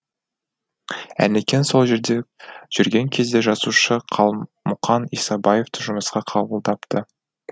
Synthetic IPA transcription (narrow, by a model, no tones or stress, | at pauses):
æ̰nekʲe̞nso̞lˠʒe̞ɾd̪e̞ʒ̥ʏɾɡʲe̞ŋkʲʰe̞zd̪e̞ʒɑzuʃəqʰɑlˠ | mʊqɑnisɑbɑje̞ft̪ʰʊʒʊməsqɑqʰɑbəlˠd̪ɑpt̪ə